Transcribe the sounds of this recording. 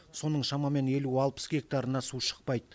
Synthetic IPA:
so̞nəɴʃɑmɑme̞ne̞luɑlˠpə̥sɡʲe̞k̚t̪aɾənɑsuʃə̥q̚pɑjd̪ə

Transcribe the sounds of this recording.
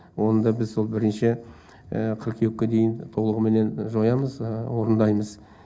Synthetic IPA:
wo̞nəd̪ɑbɪzso̞lˠbɪɾɪnʃɪ | ə̰qʰəɾqʰewkʲːed̪e̞jɪnt̪ʰo̞lˠəʁəme̞ne̞nʒojɑməzwo̞ɾənd̪ɑjməz

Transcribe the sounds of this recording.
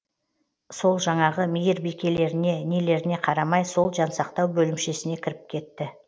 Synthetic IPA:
so̞lˠʒɑɴɑʁəmijɪɾbikʲe̞le̞ɾɪne̞nele̞ɾɪne̞qʰɑɾɑmɑjso̞lˠʒɑnsɑqt̪ɑwbɵlɪmʃe̞sɪne̞kʲʰɪɾɪp̚kʲʰe̞t̪ːɪ

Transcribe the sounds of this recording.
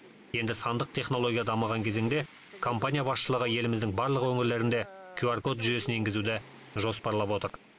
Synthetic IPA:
je̞nd̪ɪsɑnd̪əq̚t̪ʰe̞χno̞lˠo̞ɡʲijad̪ɑməʁɑŋkʲʰe̞ze̞ŋd̪e̞ | kʰo̞mpanʲijabɑsʃəlˠəʁəje̞lɪmɪzd̪ɪŋbɑɾlˠəqwɵŋɪɾle̞ɾɪnd̪e̞kʲʰuarko̞t̪ʒʏje̞sɪne̞ŋɡʲɪzud̪ɪ | ʒo̞spɑɾlˠɑpwo̞t̪əɾ

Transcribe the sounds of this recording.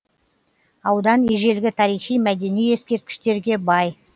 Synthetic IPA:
ɑwd̪ɑneʒe̞lɡʲɪt̪ʰɑɾijχʃijmæd̪e̞nije̞skʲe̞ɾt̪̚kʲɪ̥ʃt̪e̞ɾɡʲe̞bɑj

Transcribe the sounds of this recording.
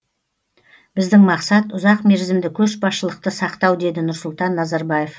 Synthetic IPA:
bɪzd̪ɪŋmɑqsɑt̪ʊzɑqme̞ɾzɪmd̪ɪkʲʰɵʃbɑsʃəlˠəq̚t̪əsɑqt̪ɑwd̪e̞d̪ɪnʊɾsʊlˠt̪ɑnːɑzɑɾbɑje̞f

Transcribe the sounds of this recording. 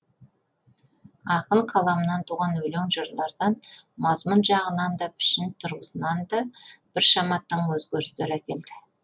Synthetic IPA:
ɑqəɴqʰɑlˠɑmənɑnt̪ʰuʁɑnwɵleŋʒəɾlˠɑɾd̪ɑnmɑzmʊnʒɑʁənɑnd̪ɑpʰɪ̥ʃɪnt̪ʰʊɾʁəsənɑnd̪ɑb̥ɪɾʃɑmɑt̪ːəɴwɵzɡʲɵɾɪst̪eɾækʲe̞ld̪ɪ

